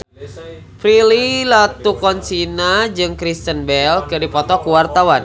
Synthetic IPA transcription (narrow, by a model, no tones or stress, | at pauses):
pɾililat̪ukɔnsinad͡ʒɨŋkɾist̪ənbɛlkɨdipɔt̪ɔkuwart̪awan